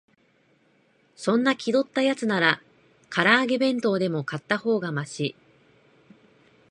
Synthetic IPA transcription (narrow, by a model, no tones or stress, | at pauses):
sõ̞nːakʲid̪o̞t̪ːajat͡sɨnaɾa | kʰaɾaːɡe̞bẽ̞nt̪o̞ːd̪e̞mo̞kat̪ːaho̞ːɡamaɕi